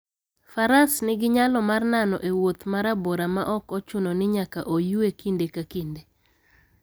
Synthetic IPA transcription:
faɾasnɪɡɪɲalɔmarnanɔ̰ʔewot̪maɾaboɾamaʔɔkɔt͡ʃʊnɔnɪɲakaʔojuekindekakinde

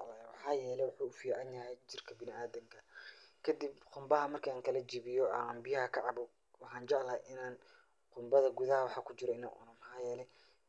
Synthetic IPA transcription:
ʕlawɑħɑːjɛːlɛjwɑħuːʊfiːʕɑnjɐɦɛjt͡ʃɪrkʰɐbɪnɪaːðɐŋkʰɐkʰɐd̪ibqʊmbɐɦɐmɐrkʰɐaːŋkʰɐlɐd͡ʒiːβɪjɔambɪjɐɦɐkʰɐʕɑbʊ | wɑħɑːnt͡ʃɑʕlɐːjʔɪnaːn | qʊmbɐðɐɡuðɐhɐwɑħɑːkʰʊt͡ʃɪɾɔɪnɐ̰ːʔʊ̰nɐmɑħɑːjɛːlɛ

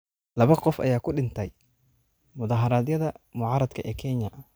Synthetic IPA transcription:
lɐβɐqɔfɐ̰jaːkʰʊɖɪnt̪ʰɛj | mʊðɑːɦɐɾɐːðjɐðɐmʊʕɑːɾɐd̪kʰɐʔɛːkʰɛɲɐʔɐ

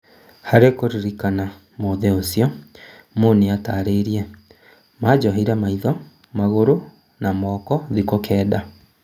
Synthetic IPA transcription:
haɾekoɾiɾikana | moðɛosiɔ | moneataːɾeɾiɛ | mad͡ʑɔɦeiɾɛmaiðɔ | maɣoɾo | namɔːkɔðikokʰɛːda

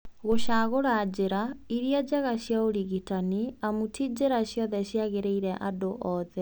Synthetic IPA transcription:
ɣoɕaɣoɾad͡ʑeɾaiɾiad͡ʑaɣaɕjaoɾiɣitaniamutid͡ʑeɾaɕjɔðɛɕjaɣeɾeiɾɛʔadoʔɔːðɛ

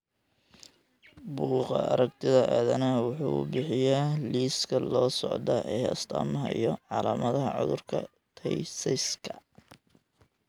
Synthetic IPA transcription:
buːqɑ̰ɐ̰ɾɐɡ̚t̪ʰɪðɐʔaːðɐnɐwɑħṵːbɪħɪjaliːskʰɐlɔːsɔʕd̪ɐʔɛːjɐ̰st̪ʰɐːmɐɦɐ̰ijɔʕɑlaːmɐðɐɦɐʕʊ̰ðʊrkʰɐ̰ | t̪ʰɛjsɪskʰɐ̥

